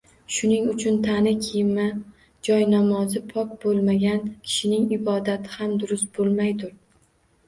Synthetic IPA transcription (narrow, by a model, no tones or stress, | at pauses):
ʃʊnɪŋʊt͡ʃʰʊnt̪ʰanɪkʲʰɪjɪma | d͡ʒɒjnamɒzɪpʰɒk̚bolˠmaɡʲankʲʰɪ̥ʃɪnɪŋɪbɒd̪at̪ʰɪhamd̪ʊɾʊst̪̚bolˠmajd̪ʊɾ